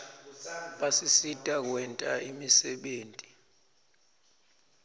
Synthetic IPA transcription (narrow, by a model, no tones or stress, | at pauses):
ɓasisitʼak̬wɛntʼaimisɛɓeːntʼi̥